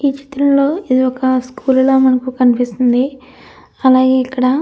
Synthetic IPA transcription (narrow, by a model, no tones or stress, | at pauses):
iːt͡ʃi̥t̪ːɾɐmlo̞ːid̪iɔkɐskʰuːluloːmɐnɐkukɐnipist̪und̪i | ɐlaːɡe̞ɐkːɐɽɐ